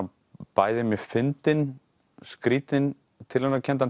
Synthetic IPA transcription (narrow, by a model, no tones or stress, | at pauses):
paːjðɪmɛfɪnt̪ɪn | skɾiːt̪ɪn | t̪ʰɪlhanːacʰɛnt̪̬an